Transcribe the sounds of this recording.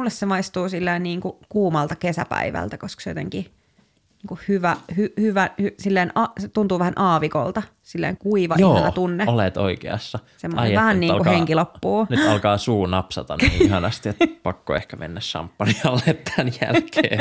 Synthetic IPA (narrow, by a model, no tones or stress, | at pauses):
mulːessemɑist̪uːsilːeinniːŋkukuːmɑlt̪ɑkesæ̰pæ̰iʋæ̰lt̪ækoskɑ̥sejo̰t̪eŋki | niːŋkuhhyʋæhyhyʋæhysilːeːnɑset̪unt̪uːʋæhænʔɑːʋiko̰lt̪ɑ | silːḛiŋkuiʋɑʔioːɑlːɑt̪unːeolet̪o̰ikḛɑ̰sːɑ | semoɑejʋæhænnniːkuheŋkilopːuːnyt̪ɑlkɑːsuːnɑpsɑ̰t̪ɑ̰nḭːihɑnɑst̪iet̪pɑkːo̰ḛhkæmḛnːæssɑ̰mpːɑniɑlːet̪ʰːænjæ̰lkeː